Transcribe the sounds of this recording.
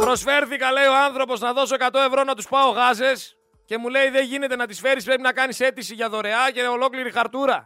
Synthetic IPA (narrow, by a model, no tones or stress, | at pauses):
pɾo̞sfe̞ɾθikɐle̞io̞ɐnθɾo̞po̞znɐðo̞so̞e̞kɐt̪o̞e̞vɾo̞nɐt̪uspɐo̞ɣɐze̞s | ce̞mule̞iðe̞nʝine̞t̪e̞nɐt̪isfe̞ɾispɾe̞pinɐkɐnise̞t̪isiʝɐðo̞ɾe̞ɐce̞o̞lo̞kliɾixɐɾt̪uɾɐ